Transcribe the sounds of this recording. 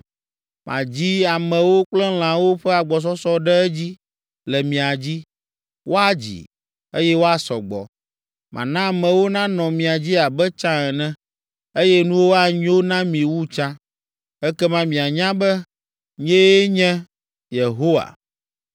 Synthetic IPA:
mʔã̰˨d͡ʑi˦a˨mɛ̃˨wo˦k͡plɛ̃˦l̃ã˨wo˦ɸɛ˦a˨ɡ͡bɔ˨s̬ɔ˦sɔ˦ɖɛ˦ɛ˦d͡ʑi˦ | lɛ˨mĩ˨a˨d͡ʑi˦ | wʔo˦a˨d͡ʑḭ˨ | e˦jɛ˦wo˦a˨sɔ˨ɡ͡bɔ̰˨ | mʔã̰˨nã˦a˨mɛ̃˨wo˦nã˦nɔ̃˨mĩ˨a˨d͡ʑi˦a˨bɛ˦t͡ʃã˦ɛ˨nɛ̃˦ | e˦jɛ˦nũ˦wo˦a˨ɲ˦o˦nã˦mĩ˨wu˦t͡ʃã˦ | ɛ˦kɛ˦mã˦mĩ˨a˨ɲã˦bɛ˦ | ɲɛ̃˦ɲɛ̃˦ | je˨ɦo˦wa̰˨

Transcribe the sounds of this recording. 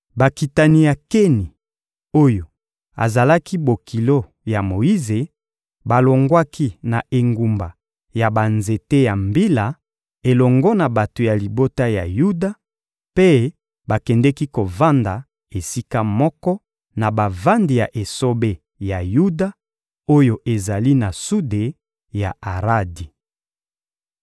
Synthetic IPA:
ba˨ki˨ta˨ni˨ja˨ke˦ni˨ | o˦jo˨ | a̰˨za˨la˦ki˦bo˨kʰi˨lo˦ | ja˨mo˨i˦ze˨ | ba˨lo˨ŋɡwa˦ki˦na˨ʔe˨ŋɡu˨mba˨ | ja˨ba˨nze˨te˦ja˨mbi˦la˨ | e˨lɔ˨ŋɡɔ˦na˨ba˨to˨ja˨li˨bo˦ta˦ja̰˨ju˦da˦ | pe˦ | ba˨kɛ˨ndɛ˦ki˦ko˨va˦nda˨ | e˨si˦ka˦mɔ˦kɔ˦ | na˨ba˨va˦ndi˨ja˨ʔe˨so˦be˦ | ja˨ju˦da˦ | o˦jo˦ʔe˨za˨li˦na˨su˦de˨ | ja˨a˨ʁa˦di˨

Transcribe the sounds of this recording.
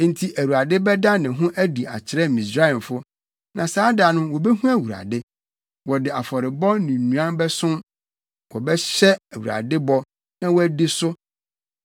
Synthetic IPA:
n̩˦tʰi˦ʔæ˨wu˨ɾa˨dɪ˦bɛ˦da˦nɪ̃˨ɦʊ̃˦ʔæ˦di˨a̰˨t͡ɕʰɪ˨ɾɛ˦mĩ˨sɾa˦ĩ˨mfʊ˦ | nã˨saː˦da˨nʊ̃˦wɔ˨bɛ˦ɦũ˦æ˦wu˨ɾa̰˨dɪ˦ | wɔ˨dɪ˨a˨fɔ˨ɾɪ˨bɔ˦nĩ˨nũ˨ã˦bɛ˦sʊ̃˦m | wʔɔ˨bɛ˦ɕɛ˦æ˨wu˨ɾa̰˨dɪ˦bɔ˦ | nã˦wɔ˦æ˦di˦sʊ˦

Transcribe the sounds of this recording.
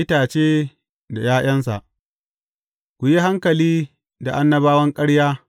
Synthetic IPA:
ɪ˦taː˨t͡ʃeː˦ | da˨jaː˦j̰ɐ˦ns̬a̰˨ʔ | kʷu˨ji˦ɦa˦ŋkɐ˨liː˦ | da˨ʔa˦nːɐ˦baː˦wɐ˦ŋkʼɐ˦ɽjaː˦

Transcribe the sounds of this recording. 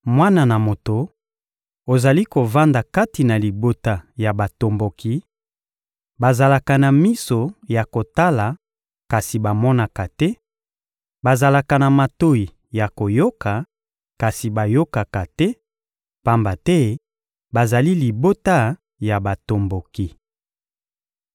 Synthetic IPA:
mwa˦na˨na˨mo˨to˨ | o˨za˨li˦ko˨va˦nda˨ka˦ti˨na˨li˨bo˦ta˦ja˨ba˨to˨mbo˨kʰi˨ | ba˨za˨la˨ka˨na˨mi˦so˨ja˨ko˨ta˦la˨ | ka˨si˨ba˨mɔ˦na˨ka˨tɛ˦ | ba˨za˨la˨ka˨na˨ma˨to˦i˨ | ja˨ko˨jo˦ka˨ | ka˨si˨ba˨jo˦ka˨ka˨tɛ˦ | pa˦mba˨tɛ˦ | ba˨za˨li˦li˨bo˦ta˦ | ja˨ba˨to˨mbo˨ki˨

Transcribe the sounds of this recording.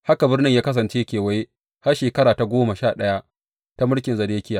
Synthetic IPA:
ha˦ka˨bɪ˦rnɪ˦ɲjaː˦kɐ˦s̬ɐ˨nt͡ʃeː˦kʲeː˨wɐ˦je˦ | ha˦rʃeː˨kɐ˦ɽaː˨ta˨ɡʷoː˦ma˨ʃaː˨ɗɐ˦ja˦ | ta˦mʊ˦ɽkʲɪ˨nzɐ˨deː˦kʲɪ˦jaː˨

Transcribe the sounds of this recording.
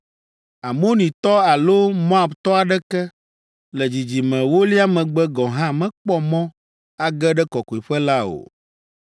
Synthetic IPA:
a˨mo˦nĩ˨t̪ɔ˦a˨lo˦mɔ̃˦a˨bt̪ɔ˦a˨ɖɛ˦kɛ˦ | lɛ˨d͡ʑi˨d͡ʑi˨mɛ̃˨wo˦li˦a˦mɛ̃˨ɡ͡bɛ˦ɡɔ̃˨ɦã˦mɛ̃˦k͡pɔ˦mɔ̃˦ | a˨ɡɛ˦ɖɛ˦kɔ˨ko˨i˨ɸɛ˦la˦o̰˨

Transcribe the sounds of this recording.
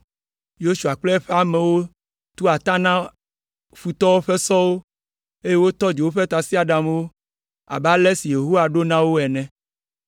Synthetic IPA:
jo˦su˨a˨k͡plɛ˦ɛ˦ɸe˦a˨mẽ˨wo˦ | t̪u˦a˨t̪ã˦nã˦ | ɸu˨t̪ɔ˦wo˦ɸe˦sɔ˦wo˦ | e˦je˦wo˦t̪ɔ˦d͡ʒe˨wo˦ɸe˦t̪a˨si˦a˨ɖa˨m˦wo˦ | a̰˨ba˦lɛ˦si˨je˨ɦo˦wa˨ɖo˦nã˦wo˦ɛ˨nɛ̃˨

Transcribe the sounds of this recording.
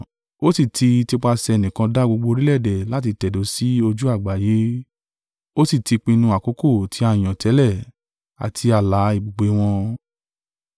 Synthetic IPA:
o˦si˦˨tʰi˧ti˧k͡pa˧sɛ˧e˧˨nĩ˨kã˧da˦ɡ͡bo˧ɡ͡bo˧ɾi˦lɛ˦˨dɛ˨la˦t̬i˧tɛ˨do˨˦si˦o˧d͡ʒu˦a˦˨ɡ͡ba˨je˨˦ | o˦si˦˨ti˧k͡pĩ˧nũ˧a˨ko˨˦ko˦˨tʰi˨˦ã˧˨j̃ɔ̃˨tʰɛ˨˦lɛ˦˨ | a̰˨tʰi˧a˨la˨˦i˨bo˨ɡ͡be˨˦w̃ɔ̃˧

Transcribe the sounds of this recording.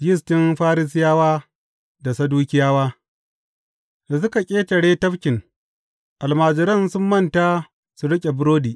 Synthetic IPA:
jɪ˦s̬tɪ˦mɸaː˦ɾɪ˦s̬ɪ˦jaː˦waː˦ | da˨sɐ˦duː˦kʲɪ˦jaː˦waː˦ | da˨s̬ʊ˦ka˨kʲʼeː˦tɐ˨ɽeː˦tɐ˦ɸkʲɪ˨ŋ | ʔa˨lmaː˨d͡ʒɪ˨ɾɐ˦nsʊ˦mːɐ˦˨ntaː˦ | su˨ɽɪ˦kʲʼe˨bʊ˦ɾoː˦diː˨ʔ

